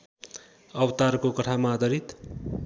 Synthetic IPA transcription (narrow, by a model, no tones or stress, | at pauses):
ʌwʌt̪arkokʌʈʰamad̪ʌɾit̪